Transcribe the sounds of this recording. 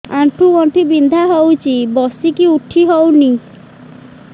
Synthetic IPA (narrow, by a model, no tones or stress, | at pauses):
aʈʰuɡɔɳʈibind̪ʱaɦowt͡ʃʰibɔsikiuʈʰiɦowni